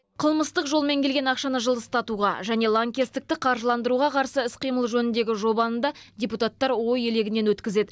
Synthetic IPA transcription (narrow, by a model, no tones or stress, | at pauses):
qʰəlˠməst̪əqʒo̞lˠme̞ŋkʲe̞lɡʲenɑqʃɑnəʒəlˠəst̪ɑt̪uʁɑ̰ʒæne̞lˠaŋkʲest̪ɪk̚t̪ɪqʰɑɾʒəlˠɑnd̪əɾuʁɑqʰɑɾsəɪsqijməlˠʒɵnɪnd̪e̞ɡʲɪʒo̞bɑənd̪ɑdʲeput̪at̪ːɑɾwo̞je̞le̞ɡʲɪne̞nwɵt̪kʲɪze̞d̪ɪ